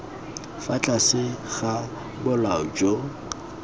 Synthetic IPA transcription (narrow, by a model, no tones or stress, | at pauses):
fat͡ɬʼasɪɣa | bʊlaʊd͡ʒʼo